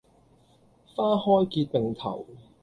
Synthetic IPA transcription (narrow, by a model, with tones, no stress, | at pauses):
faː˥hɔː˥jkiː˧t̚pe˨ŋt̪ʰɐ̰˨˩w